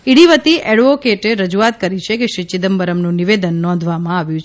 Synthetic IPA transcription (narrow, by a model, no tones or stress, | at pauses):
iɽiʋət̪iʔɛɽʋokeʈeɾəd͡ʒuat̪̚kəɾit͡ʃʰekeʃɾit͡ʃid̪əmbəɾəmnũniʋed̪ənːɔ̃nd̪ʱʋamãaʋjũt͡ʃʰ